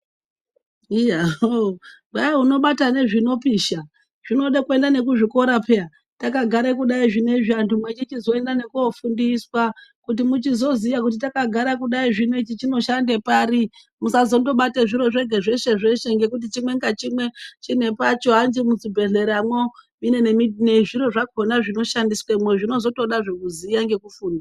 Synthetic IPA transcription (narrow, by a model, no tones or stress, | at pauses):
iɦaobʱaiɦuno̞ɓatane̞ʐino̞piːʃa | ʐ̥ino̞ɗakue̞ndane̞kuʐiko̞ɾapʰea | takaɡʱaɾekuɗaiʐine̞ʐiantumwet͡ʃit͡ʃizo̞e̞ndane̞kuofundiswakut̬imut͡ʃizo̞ziʋak̬ut̬itakaɡʱaɾak̬uɗaiʐine̞t͡ʃit͡ʃino̞ʃande̞paːɾi | musazo̞ndo̞ɓateʐiɾo̞ʐeɡʱeʐe̞ʃe̞ʐe̞ʃe̞ŋɡe̞kut̬it͡ʃimwe̞ŋɡat͡ʃimwe̞t͡ʃine̞pat͡ʃo̞ɦand͡ʒimut͡sibʱe̞ɮe̞ɾamwomine̞ne̞midʱineʐiɾo̞ʐakʰonaʐino̞ʃandiswamwe̞ʐino̞zo̞to̞ɗaʐekuzijaŋɡe̞kufuːnda